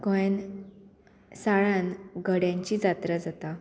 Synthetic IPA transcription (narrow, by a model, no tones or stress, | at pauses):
ɡəjn | saɭãnɡəɽjãɲt͡ɕiːd͡zat̪ɾəd͡zat̪a